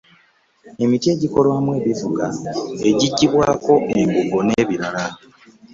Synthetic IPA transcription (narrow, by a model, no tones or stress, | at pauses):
e̞mitie̞ːɟiko̞lwaːmwe̞ːβivuɡae̞ɟiɟːiβwaːko̞ʔeŋɡuɡo̞neːβiɾala